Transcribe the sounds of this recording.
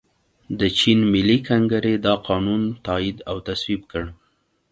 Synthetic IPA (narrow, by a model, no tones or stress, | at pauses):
d̪ət͡ʃinmɪlːikaŋɡaɾed̪ɑqɑnunt̪ɑid̪awt̪aswibkəɽ